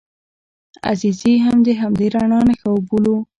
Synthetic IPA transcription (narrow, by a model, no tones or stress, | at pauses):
a̰ziziɦamd̪əɦamd̪eɾaɳɑnaxawbulu